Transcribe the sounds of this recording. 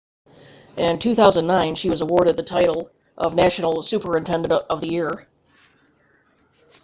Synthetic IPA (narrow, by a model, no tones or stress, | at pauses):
ʔɪ̃ntʰʉθaʊzə̃nnːãɪ̃nʃiwʌzəwɔɹɾɨd̪̚ðɨtʰaɪɾl̩ˠ | ʔʌ̰vnæʃnl̩ˠsʉpʰə˞ɨ̃ntʰɛ̃ndɨ̃nʌvðɨjɪɹ